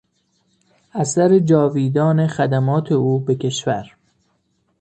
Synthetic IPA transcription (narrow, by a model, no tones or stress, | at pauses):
æsæɾed͡ʒɒːviːd̪ɒːne̞xæd̪æmɒːt̪ʰe̞uːbe̞cʰe̞ʃvæ̰ɾ